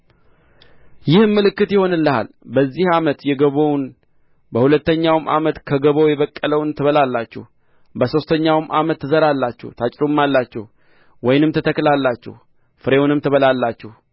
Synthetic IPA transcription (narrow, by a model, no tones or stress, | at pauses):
jɪhmːɨlɨkːɨt̪jɪho̞nɨlːəha̰l | bəzːihamət̪jɛɡəβəwn | bəhulət̪ːəɲːawmʔa̰mət̪kʰəɡəβojɛβəkʼːələwnt̪ʰɨβəlalːat͡ʃːɛ̰h | bəso̞st̪ʰəɲːawmʔamət̪ːɨzəɾalːat͡ʃːɛ̰wt̪ʰat͡ʃʼɾomːalːat͡ʃːɛ̰h | wɔjnɨmt̪ʰət̪ʰəkːlalːat͡ʃːɛ̰h | fɨɾe̞wunɨmt̪ʰɨβəlalːat͡ʃːɛh